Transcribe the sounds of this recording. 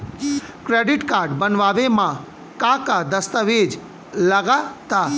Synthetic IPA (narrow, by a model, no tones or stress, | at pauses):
kɾeɖiʈkaɾɖbənʋaʋemã | kãkad̪əst̪əʋed͡ʒ | ləɡat̪a